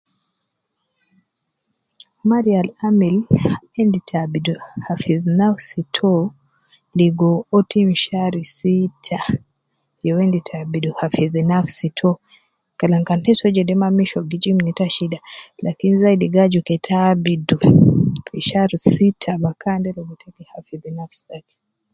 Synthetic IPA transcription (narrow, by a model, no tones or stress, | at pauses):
maɾialamilaɛnditʰabiduhafiðnafsitʰɔ | liɡɔɔtimʃaɾisitʰa | jɛwɛnditʰabiduhafiðinafsitʰɔ | kalaŋkantɛsɔd͡ʒɛdɛmamiʃɔɡid͡ʒimnitaʃidalakinizaidiɡad͡ʒukɛtʰabidufiʃaɾisitʰabakandɛlɛɡɔtʰɛkɛhafiðinafstaki